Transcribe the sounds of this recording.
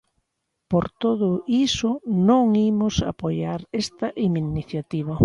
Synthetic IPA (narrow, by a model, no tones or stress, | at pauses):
poɾt̪oðʊisʊnõŋimʊsa̰pojaɾest̪ɐʔiminiθjat̪iβ̞ɐ